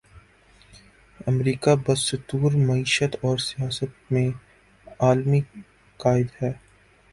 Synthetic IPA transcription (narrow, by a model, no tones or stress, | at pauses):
ɐmɾiːkabɐst̪uːɾmɐiːʃət̪ɔːɾsijaːsət̪̚mẽ | aːlmi | kaːɪd̪ɦɛː